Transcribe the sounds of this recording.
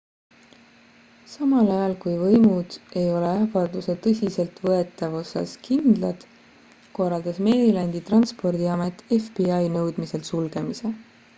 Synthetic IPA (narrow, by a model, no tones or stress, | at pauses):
sɑmɑlɑjɑlkujvɤjmud̪̥e̞jo̞leæfɑd̪̥use̞t̪ɤsʲise̞lt̪vɤe̞t̪ːˑɑvo̞sɑ̰skind̪̥lɑd̪̥ | ko̞rɑld̪̥ɑsme̞ːɾilɑnʲd̪̥it̪rɑnspo̞rd̪̥iɑme̞t̪ˑːe̞fb̥iɑjnɤwd̪̥mise̞lsulɡ̥e̞mise̞